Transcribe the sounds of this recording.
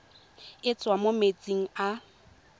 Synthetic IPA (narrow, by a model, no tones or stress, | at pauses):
ɪt͡sʼwamomet͡sʼiŋ̩a